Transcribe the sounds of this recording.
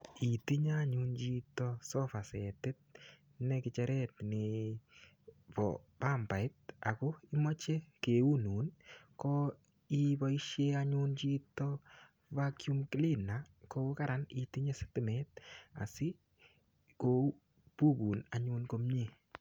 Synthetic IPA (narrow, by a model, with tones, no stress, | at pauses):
i˨ti˦ɲa˦ɲu˧nt͡ʃi˧tɔ˦sɔ˦fa˨sɛ˨tɪ˦t̚ | nɛkɪt͡ʃɛ˦ɾɛ˦tne˨ | pɔ̰˨pa˦mpa˨ɪ˦t̚a̰˨ko˦i˦mɔ˦t͡ʃe˦ke˨u˦nu˨˦nkɔ | i˦ba˦i˦ʃje˦aɲu˦nt͡ʃi˦tɔ | vakju˦mkɪ˦li˦na | ko˦ka˦ɾa˦ni˨ti˦ɲe˦sɪ̥tɪ˦˨mɛ˦t̚a̰˨sɪ˦ | ko˦ | pu˦kuː˨na˨ɲuː˧˦nko˦mɲe˦˨